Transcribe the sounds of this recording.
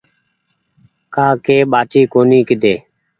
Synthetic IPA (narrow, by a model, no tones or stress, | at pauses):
kaːkeːɓaːʈiːkoːniːkɪd̪eː